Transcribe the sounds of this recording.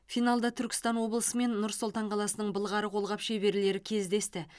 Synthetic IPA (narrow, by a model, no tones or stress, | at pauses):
fijnalˠd̪ɑt̪ʰʏɾkʲɪ̥st̪ɑnwo̞blˠəsəme̞nːʊɾsolˠt̪ɑɴqʰɑlˠɑsənəɴbəlˠʁɑɾəqʰo̞lˠʁɑpʃe̞be̞ɾle̞ɾɪkʲʰe̞zd̪e̞st̪ɪ